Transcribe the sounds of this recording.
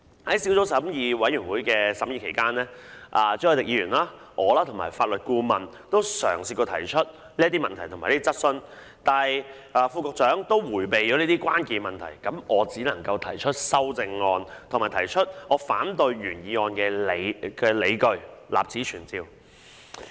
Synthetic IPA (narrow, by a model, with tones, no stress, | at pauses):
hɐ˨˥jsiː˨˥wt͡so˨˥wsɐ˨˥mjiː˧wɐ˨˥jyː˨˩nwuː˨˥jkɛː˧sɐ˨˥mjiː˧kʰe˨˩jkaː˥nlɛː˥ʔaː˨t͡sœ˥˨˩t̪ɪ˨k̚jiː˧˥yː˨˩nlaː˥ʔɔː˨˧laː˥t̪ʰo˨˩ŋma̰ː˨˩jfaː˧t̚lɵ˨t̚kuː˧mɐ˨n | t̪o˥wsœ̰ː˨˩ŋsiː˧kːo˧t̪ʰɐ˨˩jt͡ʃʰɵ˥t̚ | liː˥ɐ˥t̪iː˥mɐ̰˨nt̪ʰɐ˨˩jt̪ʰo˨˩maː˨˩le˥i˥t͡sɐ˥t̚sɵ˥n | t̪aː˨˧j | ʔaː˨˩fuː˧kɔː˧k̚t͡ʃœː˨˥ŋt̪o˥wwuː˨˩jpe˨jt͡ʃɔː˨˥liː˥t̪iː˥kwaː˥nkiː˧mɐ˨nt̪ʰɐ̰˨˩jkɐ˨˥mɔː˨˧t͡siː˨˥lɐ˨˩ŋkɐ˧wt̪ʰɐ˨˩jt͡ʃʰɵ˥t̚sɐ˥wt͡sɪ˧ŋːɔː˧nt̪ʰmaː˨˩jt̪ʰɐ˨˩jt͡ʃʰɵ˥t̚ʔɔː˨˧faː˨˥nt̪̬ɵ˧ɥɥyː˨˩njiː˨˧ŋɔː˧nkɛː˧le˨˧jkɛː˧le˨˧jkɵ˧ɥla̰ː˨p̚t͡siː˨˥t͡ʃʰyː˨˩nt͡siː˧w